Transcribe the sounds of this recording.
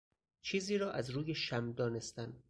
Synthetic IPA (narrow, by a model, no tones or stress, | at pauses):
t͡ʃʰiːziːɾɒːʔæzɾuːjeʃæmd̪ɒːne̞st̪æn